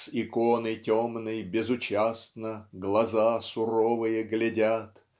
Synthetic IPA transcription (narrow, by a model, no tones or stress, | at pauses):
sɪkonəjtʲomnɨjbʲɪzʊt͡ɕast̪nəɡlˠɐzasʊɾovɨjəɡlʲɪdʲat̪